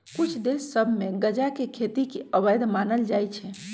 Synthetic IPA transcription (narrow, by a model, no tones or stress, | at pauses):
kut͡ʃʰd̪esːəbʱmeɡəd͡ʒakekʰet̪ikeəβəjd̪manəld͡ʒajt͡ʃʰɛ